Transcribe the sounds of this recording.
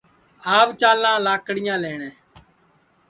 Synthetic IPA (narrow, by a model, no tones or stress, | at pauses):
aːʋt͡ʃaːlãːlaːkɽɪjãːleːɳɛ̃ː